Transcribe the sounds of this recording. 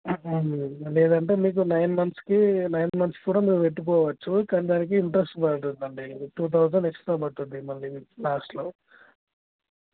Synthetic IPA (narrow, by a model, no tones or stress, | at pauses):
lɛːd̪ɐɳʈe̞ːmiːk̬unɐjnmɐnt̪skinɐjnmɐnt̪skuːɽaːmiːkupe̞ʈːuk̬ɔːʋɐt͡ʃːukaːniːd̪aːnik̬iːɳʈɾesʈbɐɾʈund̪ɐɳɖiʈuːt̪̬ʰɐwd͡ʒɐɳɖeksʈt̪oːbɐʈːund̪imɐlːilaːsʈloː